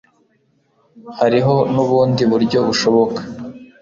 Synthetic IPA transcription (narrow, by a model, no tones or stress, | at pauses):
haɾiɦo̞nuβuːndiβuɾɟo̞βuʃo̞βo̞kḁ